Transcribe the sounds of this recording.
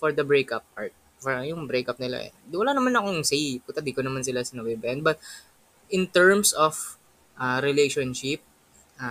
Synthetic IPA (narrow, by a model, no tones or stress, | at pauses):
fɔɹd̪ɐbɹejkɐp̚ʔaɹt̪̚ | fjʊŋbɾejkɐp̚nɪla̰ʔɛ̰d̪wɐlaːnɐmanɐkoŋsejput̪ɐd̪iːkonɐmansɪlasɐnɐbɛbɛɐnd̪̚bɐt̪̚ | ʔɪnt̪ɛɹmsof | ʔaɾɪlejʃonʃɪp̚ | ʔa